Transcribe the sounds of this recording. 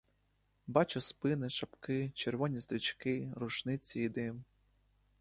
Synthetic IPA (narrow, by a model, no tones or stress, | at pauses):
bɑt͡ʃʊspɪnɪʃɐpkɪt͡ʃerʋɔnʲist̪ɾʲit͡ʃkɪɾʊʃnɪt͡sʲːijid̪ɪm